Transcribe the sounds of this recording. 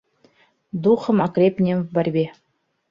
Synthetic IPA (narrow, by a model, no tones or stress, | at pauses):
d̪uχɤ̆mɑkɾʲepnʲembɑrʲbʲe